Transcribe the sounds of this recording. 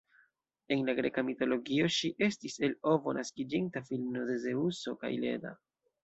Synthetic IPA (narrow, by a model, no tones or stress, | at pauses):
e̞nlaɡɾe̞kamito̞lo̞ɡioʃiʔe̞stise̞lo̞vo̞̰nʔaskid͡ʒintafilmno̞de̞ze̞uso̞ka̰jle̞̰da̰